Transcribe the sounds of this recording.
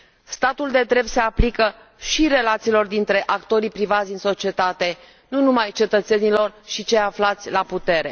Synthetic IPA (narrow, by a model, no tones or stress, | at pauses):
st̪at̪uld̪e̞d̪ɾe̞b̪̚se̞aplikə | ʃiɾe̞lat̪siːlo̞rd̪int̪ɾe̞ʔakt̪o̞ɾipɾivat̪sʲd̪inso̞t͡ʃie̞t̪at̪e̞ | nunumajt͡ʃe̞t̪ət̪se̞nilo̞rʃit͡ʃe̞jaflat̪sʲlaput̪e̞ɾe̞̰